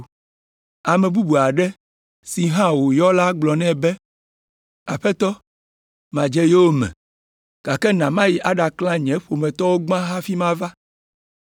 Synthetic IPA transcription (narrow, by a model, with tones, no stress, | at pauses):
a˨mɛ̃˨bu˦bu˨a˨ɖɛ˦ | si˨ɦã˦wo˨jɔ˦la˦ɡ͡blɔ˨nɛ̃˦bɛ˦ | a˨ɸɛ˦t̪ɔ˦ | mã˨d͡ʒɛ˦je˦wo˦mɛ̰̃˨ | ɡ̥a˨kɛ˦nã˨mã˦ji˨ʔa˦ɖa˨klã˦ɲɛ̃˨˦ɸo˨mɛ̃˨t̪ɔ˦wo˦ɡ͡bã˦ɦa˦fi˦mã˦va˦